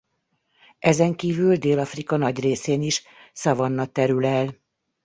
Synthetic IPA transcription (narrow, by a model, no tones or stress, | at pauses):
ʔɛzɛŋkiːvyld̪eːlɒfrikɒnɒɟreːseːniʃ | sɒvɒnːɒt̪ɛɾylɛl